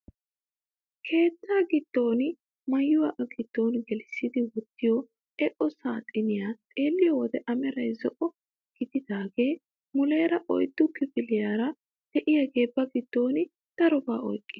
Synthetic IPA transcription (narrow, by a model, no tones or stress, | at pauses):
kʰe̞ːt̪ːaːɡɪt̪ːo̞ːnɪ | mɐjːʊwɐʔɐɡɪd̪̥ːo̞ːnɡɛlɪsːɪd̪ɪwɔt̪ːɪjɔ | ɛʔɔsaːt̪ʼɪnɪjat̪ʼe̞ːlːɪjɔwɔd̪ɛʔɐmɛɾɐjzɔʔɔ | ɡ̥ɪd̪ɪd̪aːɡe̞ː | mʊle̞ːɾɐʔɔ̰jd̪ːʊkːɪbɪlɪjaːɾɐ | d̪ɛʔɪjɐɡe̞ːbːɐɡɪt̪ːo̞ːnɪ | d̪̥ɐɾɔbaːʔɔ̰jkʼːɪ